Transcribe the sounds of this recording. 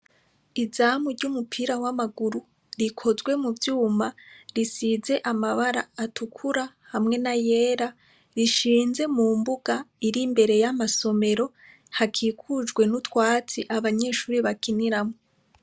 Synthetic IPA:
izaːmuɾɟumupʰiɾawamaɡuɾu | ɾikʰo̞zɡwe̞muvjuːmaɾisize̞ʔamaβaɾa̰ːtukʰuɾa | hamŋe̞naje̞ːɾa | ɾiʃiːnze̞muːmbuɡ̥aiɾimbe̞ɾe̞jamaso̞me̞ɾo̞ | hakʰikʰud͡ʒɡwe̞nutwaːt͡siʔaβaɲe̞ːʃuːɾiβakiniɾamo

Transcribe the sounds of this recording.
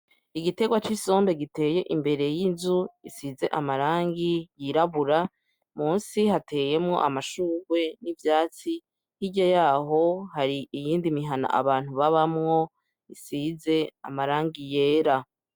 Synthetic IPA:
iɡite̞ɡwat͡ʃiso̞ːmbe̞ɡite̞ːje̞ʔimbe̞ɾe̞jinzuisize̞̰ʔamaɾaːŋɡijiɾaβuɾa | muːnsiɦatʰe̞ːje̞mŋo̞̰ʔamaʃuːɡwe̞nivjaːt͡si | hiɟajaːɦo̞haɾiijiːndimiɦana̰ʔa̰βaːn̥huβaβamŋo̞ | isize̞a̰maɾaːŋɡije̞ːɾa

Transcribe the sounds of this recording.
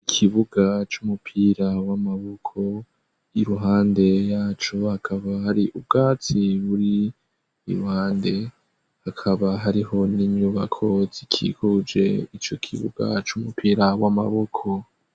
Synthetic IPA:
ikʰiβuɡat͡ʃumupʰiɾawamaβokʰo̞ | iɾuɦaːnde̞jaːt͡ʃohakʰaβahaɾiʔub̚ɡaːt͡siβuɾḭː | ɾuhaːnde̞ | hakʰaβaɦaɾiho̞niɲɲuːβa̰kʰo̞zikʰḭkʰud͡ʒe̞̰it͡ʃo̞kʰḭβṵɡ̥a̰t͡ʃumupiːɾawama̰βo̞kʰo̞

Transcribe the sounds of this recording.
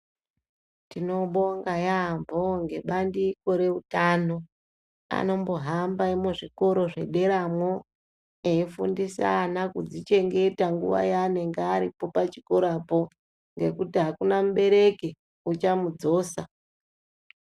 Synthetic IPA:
tino̞ɓo̞ŋɡajamboŋɡe̞ɓandiko̞ɾe̞utano̞ | a̰no̞mbo̞ɦambaimuʐiko̞ɾo̞ʐe̞̰ɗe̞ɾamwo | eifṵndisa̰nakud͡zit͡ʃe̞ŋɡe̞taŋɡṵʋa̰jaːne̞ŋɡeːɾipo̞pat͡ʃiko̞ɾapo̞ | ŋɡe̞kutiɦakunamuɓe̞ɾe̞ke | ut͡ʃamud͡zo̞ːsa̰

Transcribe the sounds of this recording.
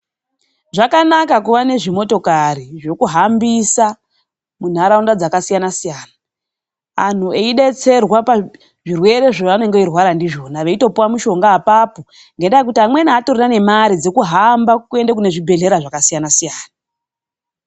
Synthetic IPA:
ʐakanakakuʋane̞ʐimo̞to̞kariʐo̞kuɦambisa | mun̤aɾaundad͡zakasijanasijaːnaː | n̤ue̞iɗe̞t͡se̞rwapa | ʐirwe̞ɾe̞ʐoʋanoŋɡeirwaɾandiʐo̞naʋe̞ito̞puwamuʃo̞ŋɡaːpaːpo | ŋɡe̞ndaek̬utiɦamwenaːtorirane̞maɾid͡zekuɦambakue̞ndak̬une̞ʐibʱe̞ɮe̞ɾaʐakasijanasijaːna

